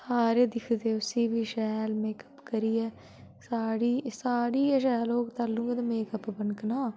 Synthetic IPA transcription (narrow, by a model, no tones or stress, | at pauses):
saːɾeːd̪ɪkʰd̪eːʊsiːbʱiːʃɛːlmeːkə̥pkəɾiːɛː | saːɽiːsaːɽiːʃɛːloːɡt̪əɾlũːŋɡeːt̪ameːkəpbənknaː